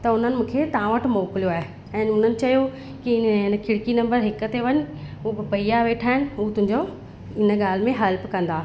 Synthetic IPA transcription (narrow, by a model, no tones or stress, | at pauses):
t̪ɐʊn̤ənɪ̆mũːkʰet̪ãːʋəʈʰmoːklijoaːɦe | ɛ̃ːʊn̤ənɪ̆t͡ɕɐjo | kiɪnə̆kʰɪɽkinɐ̃mbəɾɦɪkʊt̪eʋɐɲʊ̆ʊbɪpɐiaʋeːʈʰaːɦɪnɪ̆ut̪ʊ̃ɦɪ̃ɲd͡ʑo | ɪnə̆ɠaːl̤mẽɦɐlpkɐ̃nd̪aː